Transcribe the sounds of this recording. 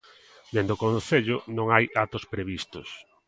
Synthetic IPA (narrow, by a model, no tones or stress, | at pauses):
d̪end̪okõnθeʎʊnõŋajʔat̪ospɾeβist̪ʊs